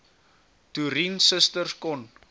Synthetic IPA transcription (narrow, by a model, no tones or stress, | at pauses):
tuɾinsəstərskɔn